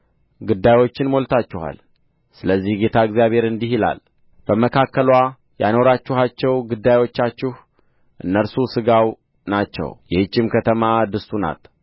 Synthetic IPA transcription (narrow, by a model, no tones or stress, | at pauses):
ɡud̪ːajwo̞t͡ʃːɪnmo̞lt̪ʰat͡ʃːɛha̰l | sɨləzːihɡe̞t̪ʰaɨɡzijaβhe̞ɾɨnd̪ihila̰l | b̥əməkʰakːəlwa | ja̰no̞ɾat͡ʃːɪhat͡ʃːɛwɡud̪ːajwo̞t͡ʃːat͡ʃːɪh | ʔɨnːəɾsusɨɡaw | nat͡ʃːɛ̰wjɛhɨt͡ʃʼːɪmkʰət̪ʰəmad̪ɨst̪una̰t̪